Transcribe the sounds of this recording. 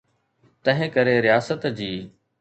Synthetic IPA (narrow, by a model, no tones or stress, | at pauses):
t̪ɐ̃ɦɪ̃kɐɾeɾɪjaːsət̪d͡ʑiː